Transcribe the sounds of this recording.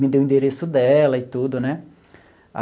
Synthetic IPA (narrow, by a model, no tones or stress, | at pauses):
mɪd̪ewĩnd̪eɾesʊd̪ɛlɐɪt̪ud̪ʊnɛ | a̰